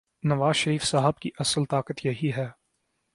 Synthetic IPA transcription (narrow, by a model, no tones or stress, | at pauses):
nɐʋaːzʃɐɾiːfsaɦəb̚kiʔɐsəlt̪aːkət̪jɐɦiɦɛː